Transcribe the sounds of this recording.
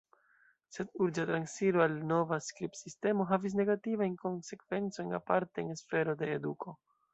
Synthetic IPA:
se̞duɾd͡ʒatɾansiɾoalno̞vaskɾipsiste̞mo̞ɦavis̬ne̞ɡativajnko̞nse̞kv̥e̞nt͡so̞jɲna̰paɾteːnesfe̞ɾo̞de̞ːdukʰo̞

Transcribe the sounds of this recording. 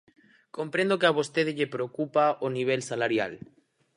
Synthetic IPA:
ko̞mpɾend̪okeaβ̞ost̪eðeʎepɾeokupaoniβ̞elsalaɾja̰l

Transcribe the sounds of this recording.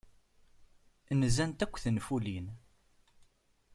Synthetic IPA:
nzænt̪ækʷːθənfulin

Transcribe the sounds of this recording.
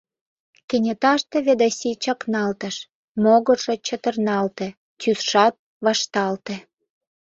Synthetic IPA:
kenʲet̪ɑʃt̪ĕβed̪ɑsʲit͡ɕɑknɑlt̪əʃ | moɣərʒ̥et͡ɕə̆t̪ərnɑlt̪ĕ | tysʃɑt̪̚ | βɑʃt̪ɑlt̪ĕ

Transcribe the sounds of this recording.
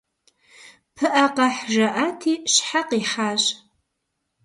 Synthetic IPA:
pʰɨʔɐqɐħʒɐʔaːtʰiːɕħaqiːħaːɕ

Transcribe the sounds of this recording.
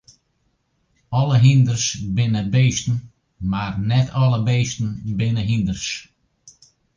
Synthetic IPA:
ɔləɦindərsbɪnəbeːstən̩ | marnɛtʰɔlˠəbeːstən̩bɪnəɦindərs

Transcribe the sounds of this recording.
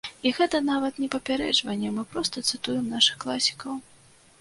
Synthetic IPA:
iɣɛt̪ɐnavɐt̪nʲɛpɐpʲaɾɛ̰d͡ʐvɐnʲːɛmɨpɾɔst̪ɐt̪sɨt̪ujɛmnaʂɨxklˠasʲi̥kɐw

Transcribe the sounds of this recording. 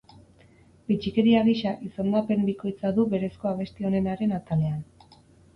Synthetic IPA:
bit͡ʃike̞ɾiaɣiʃaʔisond̪ape̞mbiko̞jt͡saðuβe̞ɾe̞sko̞aβ̞e̞st̪io̞ne̞naɾe̞nat̪ale̞an

